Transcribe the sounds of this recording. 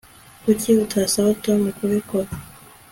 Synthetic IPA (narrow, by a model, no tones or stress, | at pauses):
kuciutʰasawotomukuβikoɾa